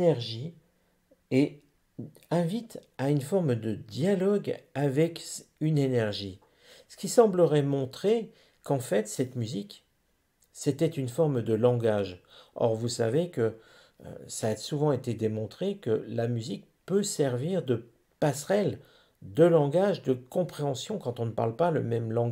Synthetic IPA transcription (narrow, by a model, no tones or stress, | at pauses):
nɛʁʒi | e | ɛ̃vit̪aynfɔʁmd̪əd̪jalɔɡavɛkynenɛʁʒi | sə̥kʲisɑ̃bləʁɛmɔ̃t̪χe | kɑ̃fɛt̪sɛt̪myzik | sɛt̪ɛt̪ynfɔʁmd̪əlɑ̃ɡaʒɔ̰ʁvusavekə̰ | saːsuvɑ̃et̪ed̪emɔ̃t̪χekəlamyzik̚ | pøsɛʁviʁd̪ə | pasχɛl | d̪əlɑ̃ɡaʒd̪əkɔ̃pχeɑ̃sjɔ̃kɑ̃t̪ɔ̃nəpa̰ʁlpalə̰mɛmlɑ̃ɡ